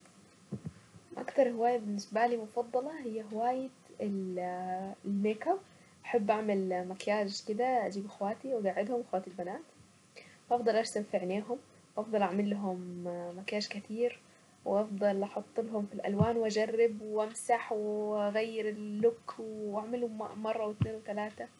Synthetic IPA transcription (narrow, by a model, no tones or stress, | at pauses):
ʔa̰kt̪ɑɾˤhɪwaːjabɪnːɪsbaliːmʊfɑd̪ˤːɑlɑhɪjːaɦɪwaːjɪ | ɪl | lmeːka | ʔaħabːʔaʕmalmakjaːʒkɪd̪aʔad͡ʒiːbʔaxwaːt̪iwɪɡaʕːɪd̪hʊmwɪxwaːt̪ilbanaːt̪ | fʔɑfd̪ˤɑlʔaʃt̪afɪʕneːɦʊm | ʔɑfd̪ˤɑlʔaʕmalːɦʊmːakjaːʃkɪt̪iːɾ | wʔɑfd̪ˤɑlʔɑħʊt̪ˤːlɦʊmfilʔa̰lwaːnwʔad͡ʒarːɪbwʔamsaħwɣajːɪɾɪlːʊkːwaʕmɪlʊmmɑrˤːɑwɪt̪neːnwɪt̪alaːt̪a